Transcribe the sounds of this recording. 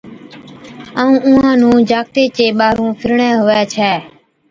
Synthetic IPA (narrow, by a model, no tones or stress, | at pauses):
aːũːʔʊ̃ːɦãːnũːd͡ʒaːk̚t̪eːt͡ʃeːɓaːɾõːpʰɪɾɳɛːɦoːɛːt͡ʃʰɛː